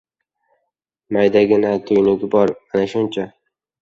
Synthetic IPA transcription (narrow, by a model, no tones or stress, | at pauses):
majd̪aɡʲɪnat̪ʰʊjnɪɡʲɪbɒɾanaʃʊnt͡ʃʰa